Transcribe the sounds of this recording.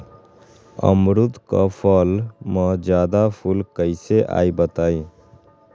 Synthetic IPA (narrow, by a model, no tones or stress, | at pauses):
ə̰mɾud̪kə̰pʰəlmə̃d͡ʒjaːd̪apʰulkəɪseʔa̰ːibət̪aːĩ